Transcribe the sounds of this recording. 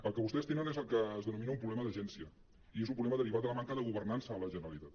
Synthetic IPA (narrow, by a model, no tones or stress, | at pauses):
əlˠkəβust̪est̪enənezəlˠkəːzðənuminəumpɾulɛməðəʒɛnsiə | iezumpɾuβlɛməðəɾiβat̪ələmaŋkəðəɣuβərnansəːləʒənəɾəlit̪at̪̚